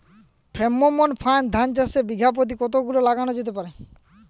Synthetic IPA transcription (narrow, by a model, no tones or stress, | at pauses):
pʰɾemːomonpʰaend̪ʱant͡ɕasebiɡʱap̬ot̪̬ikɔt̪oɡulolaɡanod͡ʑet̪̬epaɾe